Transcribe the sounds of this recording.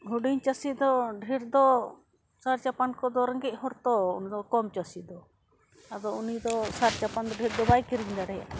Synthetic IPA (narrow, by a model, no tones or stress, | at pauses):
ɦuɖiɲt͡ʃasid̪ɔɖʱiɾd̪ɔ | saɾt͡ʃapankɔd̪ɔɾəŋɡɛc̚ˀhɔɾt̪ɔunid̪ɔkɔmt͡ʃasid̪ɔ | ad̪ɔunid̪ɔsaɾt͡ʃapand̪ɔɖʱiɾd̪ɔbajkiɾiɲd̪aɽɛja̰